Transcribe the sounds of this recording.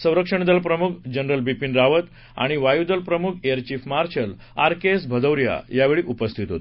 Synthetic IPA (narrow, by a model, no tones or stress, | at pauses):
sə̃w̃ɾəkʂəɳ̃d̪əlpɾəmukʰd͡ʑənɾəlbipinɾaʋət̪ | a̰ɽ̃iʋajud̪əlpɾəmukʰejəɾt͡ɕiːfmaɾɕəl | aɾkesbʱəd̪əwɾja̰jaʋeɭiʔupəst̪ʰit̪ɦot̪